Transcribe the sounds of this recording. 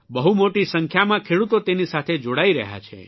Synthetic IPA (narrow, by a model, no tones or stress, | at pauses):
bəɦumoʈisəŋkʰjamãkʰeɽut̪ot̪enisat̪ʰed͡ʒoɽaiɾəɦja̰t͡ʃʰḛ